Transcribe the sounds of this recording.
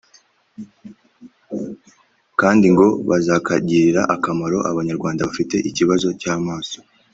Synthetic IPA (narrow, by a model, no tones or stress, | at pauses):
kaːndiŋɡo̞βazaːkaɟiːɾiɾaʔakamaɾo̞ʔaβaɲaɾɡwaːndaβafite̞ʔiciβazo̞caːmaːso̞